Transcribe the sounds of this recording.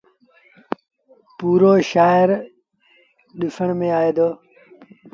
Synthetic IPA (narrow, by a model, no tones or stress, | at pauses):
puːɾoːʃaːɪɾ | ɗɪfʰəɽ̃mẽaːeːd̪oː